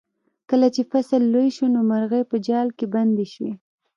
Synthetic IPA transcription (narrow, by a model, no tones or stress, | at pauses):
kəlat͡ʃefasəlːojʃunomaɾɣəjpəd͡ʒɑlkeband̪eʃwi